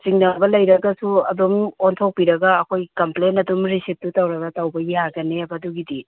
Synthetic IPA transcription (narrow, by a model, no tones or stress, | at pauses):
siŋnɐbɐlɐjɾɐɡɐsuɐdumontʰowk̚piɾɐɡɐːkʰojkɐmplenɐdumɾisip̚tutɐwɾɐɡɐtɐwbɐjaɡɐneɐbɐduɡidi